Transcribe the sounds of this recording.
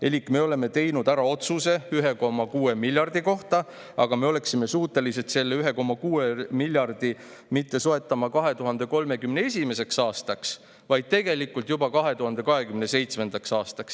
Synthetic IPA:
e̞lʲikːˑme̞o̞le̞me̞t̪e̞jnud̪̥æɾɑo̞t̪suse̞yɦe̞ko̞mɑkuːe̞milʲjɑrd̪̥iko̞ht̪ɑ | ɑ̰ɡ̥ɑme̞o̞le̞ksime̞suːt̪ːˑe̞liset̪se̞lːeyɦeko̞mːɑkuːemilʲjɑrd̪̥i | mit̪ːe̞soe̞t̪ːˑɑmɑkɑɦe̞t̪uɦɑnd̪̥e̞ko̞lme̞kymnee̞sʲime̞se̞ksɑːst̪ɑks | vɑjd̪̚t̪e̞ɡ̥e̞likːult̪jubɑkɑɦe̞t̪uɦɑnd̪̥e̞kɑɦe̞kymne̞se̞jt̪sme̞nd̪̥ɑksɑːst̪ɑks

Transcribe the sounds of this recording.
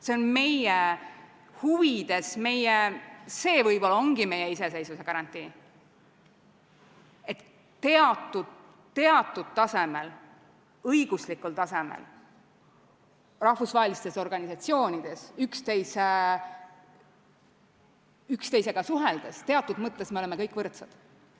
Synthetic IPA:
se̞o̞nme̞je | huvid̪̥e̞sme̞jjese̞ːvɤjvolo̞ŋɡ̥ime̞jeise̞se̞jsuse̞kɑɾɑnt̪ːˑiː | e̞t̪ː | e̞ɑt̪ːˑud̪̥ | t̪ːe̞ɑt̪ːˑud̪̥t̪ːɑse̞mel | ɤjɡ̥uslikːult̪ɑse̞mḛl | rɑhvusvɑɦelist̪e̞so̞rɡ̥ɑnisɑt̪sio̞ːnid̪̥e̞sykst̪e̞jse | ykst̪e̞jse̞ɡ̥ɑsuɦeld̪̥est̪e̞ɑt̪ˑːud̪mɤt̪ːe̞smeoleme̞kɤjkːvɤrt̪sɑd̪̥

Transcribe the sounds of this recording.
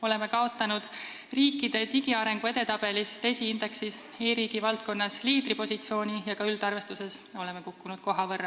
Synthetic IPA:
o̞le̞me̞kɑo̞t̪ːˑɑnud̪̥ | riːkːˑid̪̥e̞t̪iɡ̥iɑɾe̞ŋɡ̥ue̞d̪̥e̞t̪ɑb̥e̞list̪e̞jsiind̪̥e̞ksiseːɾiːɡ̥ivɑlt̪̚ko̞nːɑsliːd̪̥ɾipo̞sʲit̪sio̞ːnʲijɑkɑyld̪̥ɑrve̞st̪use̞so̞le̞me̞kukːunud̪̥ko̞ɦɑvɤrːɑ

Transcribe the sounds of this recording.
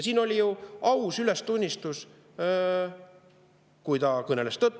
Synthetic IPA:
siːno̞lʲijuɑwsyle̞st̪unʲːist̪us | kujt̪ɑkɤnelest̪ːɤt̪ːˑ

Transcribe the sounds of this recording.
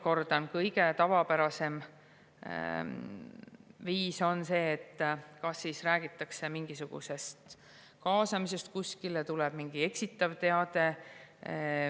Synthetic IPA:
ko̞rd̪̥ɑnkɤjɡ̥e̞t̪ɑvɑpæɾɑse̞m̰ | viːso̞nse̞ːt̪ːkɑsːiːsræːɡ̥it̪ːˑɑkse̞miŋɡ̥isuɡ̥ṵse̞st̪ | kɑːsɑmise̞st̪̚kusʲkilet̪ulɛb̥miŋɡ̥ie̞ksit̪ːˑɑvt̪e̞ɑd̪̥e̞

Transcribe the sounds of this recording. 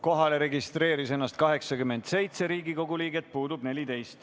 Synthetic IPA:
ko̞ɦɑle̞ɾe̞ɡist̪re̞ːɾise̞nːɑst̪̚kɑɦe̞ksɑkyme̞nd̪se̞jt̪se̞ɾiːɡiko̞ɡ̥uliːɡe̞t̪̚puːd̪ub̥ne̞lʲit̪e̞jst̪

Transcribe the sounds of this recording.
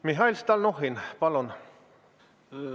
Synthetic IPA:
miɦɑilst̪ɑlnoɦinpɑlon

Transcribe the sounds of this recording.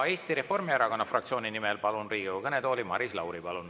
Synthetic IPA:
e̞ːst̪iɾe̞fo̞rmieɾɑko̞nːɑfrɑkt̪sio̞ːninimɛlpɑlunriːɡukɤned̪o̞ːlimɑ̰ɾislɑwɾipɑlun

